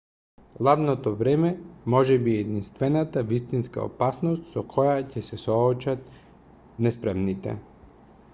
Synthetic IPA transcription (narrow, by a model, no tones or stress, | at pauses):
lˠad̪nɔt̪ɔvɾɛmɛmɔʒɛbiɛd̪inst̪vɛnat̪avist̪inska̰o̰pasnɔst̪sɔkʰɔjacɛsɛsɔːt͡ʃat̪̚ | nɛspɾɛmnit̪ɛ̰